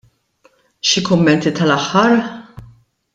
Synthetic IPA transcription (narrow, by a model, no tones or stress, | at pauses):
ʃikʊmːɛnt̪it̪ɐlɐħːɐɾ